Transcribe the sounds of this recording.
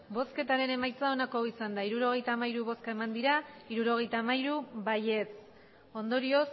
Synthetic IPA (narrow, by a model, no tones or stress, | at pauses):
bo̞ske̞t̪aɾe̞ne̞majt͡sao̞nako̞isand̪aiɾuɾo̞ɣ̞e̞jt̪aːmaiɾuβo̞skae̞mand̪iɾaiɾuɾo̞ɣ̞e̞jt̪aːmajɾuβaje̞t͡s | o̞nd̪o̞ɾio̞s